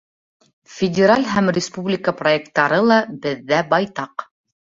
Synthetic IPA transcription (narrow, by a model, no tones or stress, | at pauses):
fʲɪdʲɪɾalʲɦæmrʲɪspublʲɪkəproek̚t̪ːɑɾɤlˠɑbɘ̆ðːæbɑjt̪ɑq